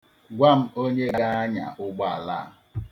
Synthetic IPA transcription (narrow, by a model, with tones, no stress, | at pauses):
ɡʷa˦m̩˦o˦ɲe˦ɡa˦a˦ɲa̰˨ʔʊ˦ɡ͡ba˦a̰˨la̰˦˨